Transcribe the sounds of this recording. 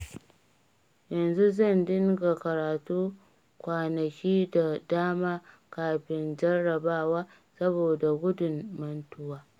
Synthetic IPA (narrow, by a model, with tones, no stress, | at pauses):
jɐ˨nzu˦zɐ˦˨ndɪ˦ŋɡa˨kɐ˨ɾaː˨tuː˦ | kʷaː˨nɐ˨kʲiː˦da˨daː˦maː˦ | kaː˨ɸɪ˦nd͡ʒɐ˦rɐ˨baː˦˨waː˦ | sɐ˦boː˨da˨ɡʷʊ˦dʊ˨mːɐ˦ntʊ˦waː˦